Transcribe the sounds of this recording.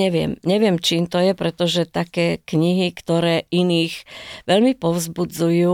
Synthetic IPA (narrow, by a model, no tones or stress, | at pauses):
ɛʋɪɛ̰mɲɛʋɪɛmt͡ʃiːmt̪ɔjɛpɾɛt̪ɔʒɛt̪akɛːkɲiɦikt̪ɔɾɛːiniːxʋɛʎmipɔʊzbud͡zujuː